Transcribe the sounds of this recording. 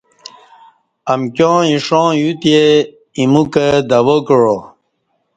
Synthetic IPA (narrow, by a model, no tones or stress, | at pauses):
əmkjõːiʂɔ̃ːjut̪ie | imukəd̪awokɻo